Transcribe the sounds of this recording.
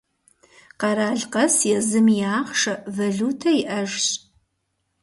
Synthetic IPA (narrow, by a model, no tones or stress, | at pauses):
qɐɾaːɮqɐsjɛzɨmjaːχʂɐvɐɮuːtʰɐjɪʔɐʒɕʼ